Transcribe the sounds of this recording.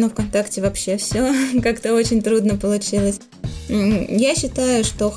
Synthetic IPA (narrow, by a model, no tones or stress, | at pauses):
nofkɐnt̪aktʲɪvɐpɕːe̞fsʲokakt̪əo̞t͡ɕɪnʲt̪ɾud̪nəpəlˠʊt͡ɕilˠəs̩ʲ | jaɕːɪt̪ajʊʂt̪o̞